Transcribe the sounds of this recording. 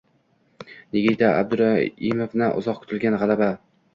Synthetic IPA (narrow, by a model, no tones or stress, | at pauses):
neɡʲit̪ʰaa̰b̚d̪ʊɾaimofnɪʔʊ̰zɒq̚kʰʊ̥t̪ʰɪlɡʲanʁɑlaba